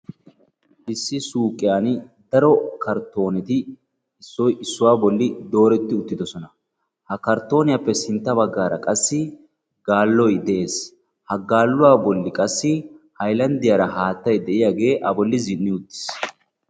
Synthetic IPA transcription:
ʔɪsːɪsuːkʼɪjaːnd̪ɐɾɔkɐɾt̪o̞ːnɛt̪ɪ | ɪsːɔjɪsːʊwaːbɔlːɪd̪o̞ːɾɛt̪ːɪʊt̪ːɪd̪ɔsɔnɐ | hɐkɐɾt̪o̞ːnɪjapːɛsɪnt̪ːɐbɐɡːaːɾɐkʼɐsːɪ | ɡaːlːɔjd̪ɛʔe̞ːs | hɐɡaːlːʊwaːbɔlːɪkʼɐsːɪhɐjlɐnd̪ɪjaːɾɐhaːt̪ːɐjd̪ɛʔɪjaːɡe̞ːʔɐbɔlːɪzɪnːɪʊt̪ːɪ̥s

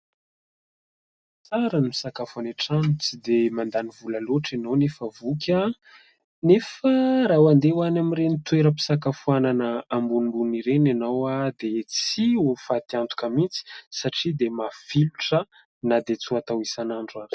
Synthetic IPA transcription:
t͡saɾanimi̥sakafuaneʈ͡ʂanut͡sid̪emand̪anivulaloʈ͡ʂinonefəvukʲa | nefəɾawand̪ewanamirenit̪weɾəpi̥sakafuananəambunimbuniɾenanawad̪et͡siufat̪iant̪u̥kəmit͡si̥saʈ͡ʂid̪emafiluʈ͡ʂə | nad̪et͡suat̪awisanaɳɖ͡ʐani̥

